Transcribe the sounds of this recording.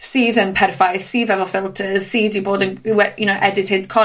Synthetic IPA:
siːðənpʰɛrfajθsiːðɛvɔlˠfɪlˠtʰəz̥siːdiboːdənwɛjunowʔɛdɪthɪd̥kʰɔ

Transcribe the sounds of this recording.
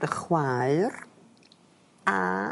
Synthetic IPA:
dəχwaɨr | a

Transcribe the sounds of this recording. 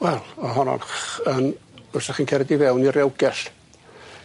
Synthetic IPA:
wɛlˠɔɦɔnɔ̰nənb̥əsaχiːnkʰɛɾɛdivɛwniɾɛwɡɛɬ

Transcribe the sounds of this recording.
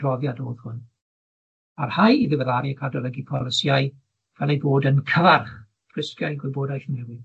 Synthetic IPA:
rɔvjadoːð̥hʊn | arhajiðɪvɛðaɾiəkʰadɔlˠəɡipʰɔləsjaj | vɛlˠejboːdənkʰəvarχ | pʰr̥ɪskjajɡwɪboːdajθnɛwɪ

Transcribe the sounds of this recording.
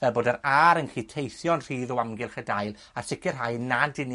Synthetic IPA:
vɛlˠboːdəɾaɾənχiːtʰejθjɔnr̥iːðɔwamɡɪlˠχədaɨlˠ | asɪkʰɪrɦajnadɪni

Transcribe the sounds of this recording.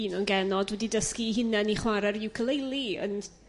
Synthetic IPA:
inɔnɡɛnɔdwɛdidəskiɦɪnɛniχwaɾɛɾɪwkʰəlˠejlˠiə̰n

